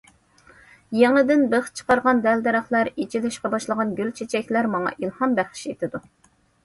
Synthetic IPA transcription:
jeŋlˠɨd̪ɪnbəχt͡ʃʰə̥qɑɾʁɑnd̪ɛld̪ɛɾɑχlˠɑɾit͡ʃʰilɪʃqɑbɑʃlˠəʁɑnɡʲylt͡ʃʰet͡ʃʰɛkʲlæɾmɑŋɑ̰ʔilˠhɑmbæχʃet̪ʰɪd̪u

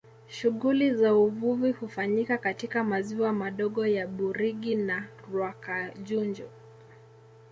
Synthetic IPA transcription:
ʃuɣulizauvuvihufaɲikakatikamaziwamaɗɔɠɔjaɓuɾiɠina | ɾwakaʄund͡ʒɔ

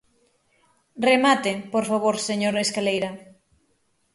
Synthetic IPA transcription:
remat̪ɪpoɾfaβoɾseɲoɾeskalejɾɐ

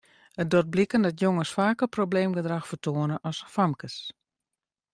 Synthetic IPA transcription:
ət̚dot̚blikəndɔtjoŋəsfaːkəprobleːmɡədraxfərtʰoːənəʔɔsfamkəs

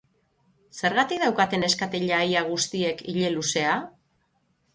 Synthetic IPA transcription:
se̞ɾɣat̪ik̚ðawkat̪e̞ne̞skat̪eʎajaɣ̞ust̪ie̞kiʎe̞luse̞a

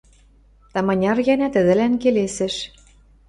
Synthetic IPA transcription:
t̪ɑmɑnʲɑrjænæt̪ə̆ðɘ̆lænkelesɘ̆ʃ

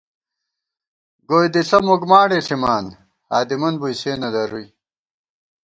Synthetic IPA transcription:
ɡoːjd̪iɬɐmoɡmaːɽeːɬʰimaːn | haːd̪imɐnbujseːnɐd̪ɐɾuj

